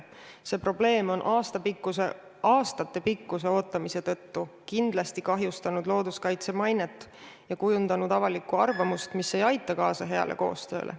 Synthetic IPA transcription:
se̞ːpro̞ble̞ːmo̞nʔɑːst̪ɑpikːuse | ʔɑːst̪ɑt̪ːe̞pikːuse̞o̞ːt̪ːˑɑmise̞t̪ɤ̞t̪ːukind̪̥lɑst̪ikɑɦjust̪ɑnud̪lo̞ːd̪̥uskɑjt̪se̞mɑjnet̪ː | jɑkujund̪ɑnud̪̥ɑvɑlikːˑuɑrvɑmust̪misːe̞jɑjt̪ːˑɑkɑːsɑɦe̞ɑ̰lʔe̞̰ko̞̰ːst̪ø̞̰ːlʔḛ

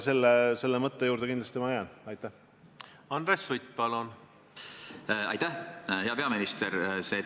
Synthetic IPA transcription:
se̞lːese̞lːemɤt̪ːejuːɾd̪̥eind̪lɑst̪imɑejɑnɑjt̪ːˑæh | ɑnd̪ɾesːujt̪̚pɑlon | ɑ̰jt̪ːæhheɑpe̞ɑminist̪eɾseː

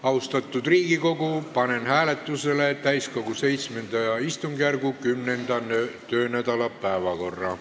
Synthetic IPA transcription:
ɑust̪ɑt̪ːˑud̪riːɡ̥iko̞ɡupɑnenhæːlet̪ːˑuselet̪æjsko̞ɡuse̞jt̪smend̪̥ɑjɑist̪uŋɡ̥ærɡukymnend̪̥ɑnøt̪øːnæd̪ɑlɑpæevɑko̞rːɑ

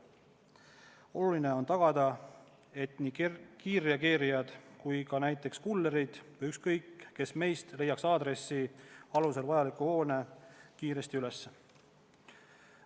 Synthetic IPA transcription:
o̞lulineo̞nt̪ɑɡ̥ɑd̪̥ɑ | e̞t̪niːkiːɾiɑkeːɾijɑd̪̥kujkɑnæjt̪ːˑe̞kskulːeɾid̪̥vjykskɤ̞jkːe̞sme̞jst̪le̞jːɑksɑːd̪ɾe̞sːiɑluse̞lvɑjɑlikuho̞ːne̞kiːɾe̞st̪iyle̞sːe

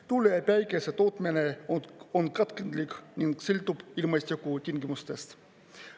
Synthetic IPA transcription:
t̪ulːeepæjkeset̪o̞ːt̪mineonkɑt̪kend̪likniŋɡ̥silt̪ub̥ilmɑsʲt̪ʲikut̪ʲiŋɡimust̪e̞st̪

